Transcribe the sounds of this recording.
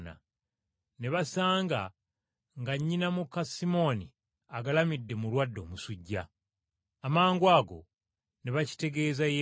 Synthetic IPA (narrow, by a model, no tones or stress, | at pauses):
na̰ | ne̞βasaːŋɡa̰ | ŋɡaɲːinamukːasimo̞ni | aɡalamidːe̞mulwadːo̞ːmusuɟːaː | maːŋɡwaːɡo̞̰ | neβaci̥te̞ɡe̞ːzaje